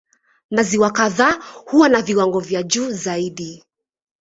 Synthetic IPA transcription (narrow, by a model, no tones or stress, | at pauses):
naziwakaðaːhuwanaviwaŋɡɔvjaʄuːzaiɗi